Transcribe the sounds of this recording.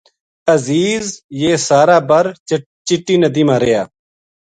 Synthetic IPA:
əziːzjeːsaːɾaːbəɾ | t͡ʃɪʈːiːnəd̪iːmãːɾeːjaː

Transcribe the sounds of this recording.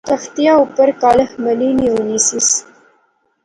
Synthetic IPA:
t̪axt̪ijɑupəɾkɑləhmaliniwunisis

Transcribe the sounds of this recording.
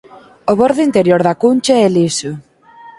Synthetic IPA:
ʊβoɾðʊint̪eɾjoɾðakunʲt͡ʃaɛlisʊ

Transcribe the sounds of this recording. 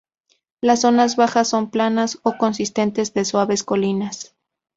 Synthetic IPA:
lasːo̞nazβaxasːo̞mplanaso̞ko̞nsist̪e̞nt̪e̞zðe̞swaβe̞sko̞linas

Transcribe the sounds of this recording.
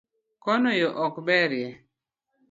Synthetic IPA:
kɔnɔjɔʔɔkbɛɾjɛ

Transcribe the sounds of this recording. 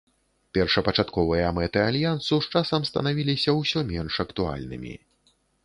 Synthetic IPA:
pʲɛrʂɐpɐt͡ʂat̪kɔvɨjɐmɛt̪ɨalʲjant̪suʂt͡ʂasɐmst̪ɐ̰navʲilʲisʲɐwsʲɔmʲɛnʂɐkt̪ua̰lʲnɨ̰mʲḭ

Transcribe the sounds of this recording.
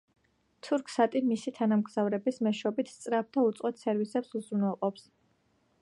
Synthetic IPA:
t̪ʰuɾkʰsat̪ʼimisit̪ʰanamɡz̥avɾɛbismɛʃɔbit̪ʰst̪sʼɾap̚d̪aut̪sʼɔt̪ʰsɛɾvisɛpsuzɾunwɛlˠqʼɔps

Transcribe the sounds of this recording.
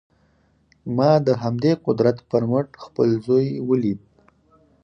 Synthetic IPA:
mɑd̪əɦamd̪eqʊd̪ɾat̪pəɾməʈxpəlzojwəlid̪̚

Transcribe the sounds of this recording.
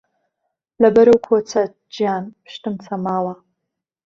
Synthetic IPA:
lɐbɐɾɐwkʰoːt͡sʰɐ | d͡ʒjaːnpʰɨ̥ʃt̪ɨmt͡sʰɐmaːwɐ

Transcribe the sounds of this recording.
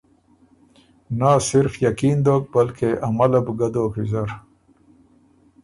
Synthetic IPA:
nasɪɾfjɐkiːnd̪oːk̚bɐlkeʔɐmɐlɐbɡad̪oːkizɐɾ

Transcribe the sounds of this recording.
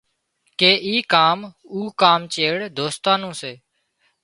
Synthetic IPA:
keːʔiːkaːm | uːkaːmt͡ʃeːɽd̪oːst̪ãːnũːseː

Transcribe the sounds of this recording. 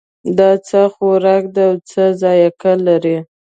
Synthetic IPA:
d̪ɑt͡səxoɾɑk̚d̪awt͡səzɑjakalaɾi

